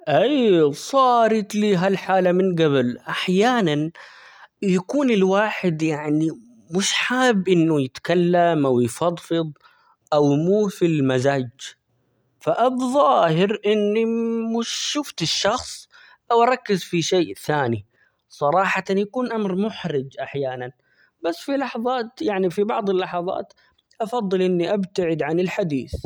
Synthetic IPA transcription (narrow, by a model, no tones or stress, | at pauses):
ʔajsˤɑːɾɪt̪liːɦalħaːlamɪnɡaβlʔaħjaːnan | jakuːnɪlwaːħɪd̪jaʕni | mʊʃħaːbʔɪnːʊjɪt̪kalːamʔawjfɑd̪ˤfɨd̪ˤ | ʔawmuːfilmazaːd͡ʒ | faʔabðˤɑɑhɪɾʔɪnːimʊʃʃʊft̪ɪʃːɑxsˤ | ʔawʔɑɾˤɑkːɪzfiʃeːθaːni | sˤɑɾˤɑːħɑt̪anjakuːnʔamɾmʊħɾɪd͡ʒʔaħjaːnan | basːfilɑħɑðˤɑːt̪jaʕnifibɑʕd̪ˤɪlːɑħɑðˤɑ̰ːt̪ | ʔɑfɑðˤːɨlʔɪnːiʔabt̪aʕɪd̪ʕanɪlħad̪ḭːθ